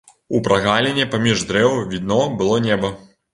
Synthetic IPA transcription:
upɾʔaɣalʲenʲɛpamʲiʐd̪ɾɛwvʲid̪nɔbɨlˠɔnʲɛbɐ

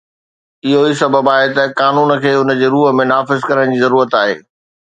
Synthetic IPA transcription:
ɪɦoisɐbəbaːɦet̪ɐkaːnuːnə̆kʰeːʊnəd͡ʑeːɾuːɦə̆mẽnaːfɪzkɐɾəɽ̃d͡ʑiːzɐɾuːɾət̪aːɦḛː

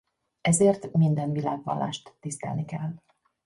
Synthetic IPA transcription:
ɛzeːrt̪mind̪ɛnvilaːɡvɒ̰lːa̰ːʃt̪ːist̪ɛ̰lnikɛl

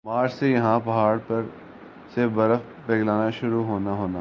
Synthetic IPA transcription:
maːɾd͡ʒsejɐɦãpɐɦaːɽpɐɾ | sebɐɾəf | beːɡlaːnaʃʊɾuɦoːnaɦoːna

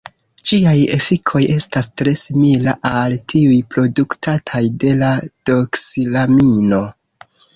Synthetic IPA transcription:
d͡ʒiaje̞fikʰo̞je̞stastɾe̞similaʔaltʰiujpɾo̞duktʰatʰajde̞lad̥o̞ksilamino̞

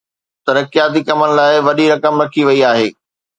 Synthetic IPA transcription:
t̪ɐɾəkijaːt̪̬ikɐmənɪ̆laːɪʋɐɗiɾɐkəmɾɐkʰiʋɐiaːɦeː

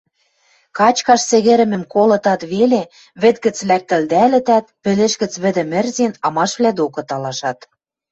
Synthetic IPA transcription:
kɑt͡ɕkɑʃsĕɣĕɾɘ̆mɘ̆mkolɤ̆t̪ɑt̪βele | βɘ̆t̪̚ɡɘ̆t͡slæk̚t̪ɘ̆ld̪ælɘ̆t̪æt̪̚pɘ̆leʃɣɘ̆t͡sβɘ̆d̪ɘ̆mɘ̆rzenɑmɑʃβlæd̪okɤ̆t̪ɑlɑʃɑt̪

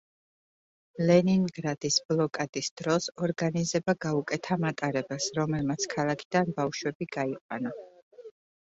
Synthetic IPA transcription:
lɛniŋɡɾad̪̥isblˠɔkʼad̪̥isd̪̥ɾɔsɔɾɡanizɛbaɡaukʼɛt̪ʰamat̪ʼaɾɛbasɾɔmɛlmat̪sʰkʰalˠakʰid̪anbafʃwɛbiɡaiqʼwana

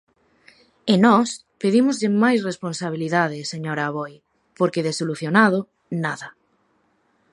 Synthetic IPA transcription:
enɔs | peðimʊzʎɪmajs̬responsaβ̞iliðaðɪseɲoɾaːβoj | poɾkeðesoluθjonað̞o | naðɐa

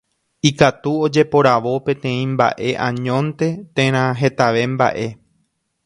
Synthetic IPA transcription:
ikat̪uo̞d͡ʒe̞po̞ɾaʋo̞pẽ̞t̪ẽ̞ĩmba̰ʔe̞ʔãɲõ̞nt̪e̞t̪ẽɾ̃ãɦe̞t̪aʋe̞mba̰ʔe̞

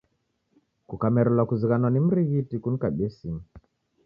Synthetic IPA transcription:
kukamɛɾɛlwakuziɣanwanim̩ɾiɣitikunikaɓɛsimi

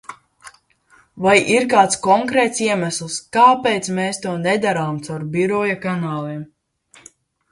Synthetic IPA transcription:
vajʔiɾkaːt̪skɔŋkɾɛːt̪siɛmæslˠskaːpeːt̪smeːst̪uɔnɛd̪aɾaːmt̪sawɾbiɾɔjakanaːlˠiɛm

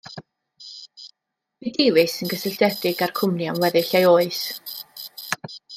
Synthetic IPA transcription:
vidɪwɨsənɡəsɪɬdɛdɪɡarkʰʊmnjanwɛðɪɬajoːɨs

